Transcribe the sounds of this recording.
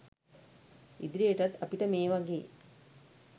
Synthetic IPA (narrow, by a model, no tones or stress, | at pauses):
ḭd̪ɾieʈɐt̪ɐpiʈəmeːʋaɡeː